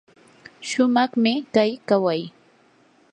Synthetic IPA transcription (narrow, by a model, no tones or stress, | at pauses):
ʃʊmɑχmɪkajkawaj